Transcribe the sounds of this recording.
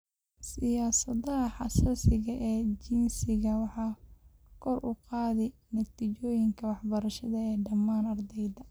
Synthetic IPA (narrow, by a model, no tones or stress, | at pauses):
sɪjaːsɐðɐɦɐħɑsaːsɪɣɐʔɛːd͡ʒinsɪɣɐwɑħɑː | kʰɔrʔʊ̰qɑːðɛ | nɐt̪iːt͡ʃɔːjɪŋkʰɐwɑħbɐɾɐʃɐðɐɛːɖɐmːaːnɐrd̪ɛjðɐ